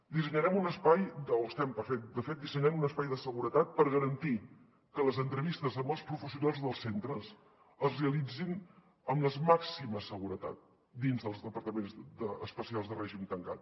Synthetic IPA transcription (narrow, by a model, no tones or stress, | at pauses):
d̪isəɲəɾɛmunəspajd̪oəst̪ɛmpəɾfɛk̚t̪̚d̪əfet̪̚d̪isəɲɾɛmunəspajðəsəɣuɾət̪at̪̚pəɾɣəɾənt̪i | kələzənt̪ɾəβist̪əzəmbəlˠspɾufəsiunalˠzðəlˠsent̪ɾəz | əzreəlid͡zin | əmləzmaksiməsəɣuɾət̪a̰t̪̚ | d̪inzðəlˠzðəpəɾt̪əmenzdəəspəsialˠzðərɛʒimt̪əŋka̰t̪̚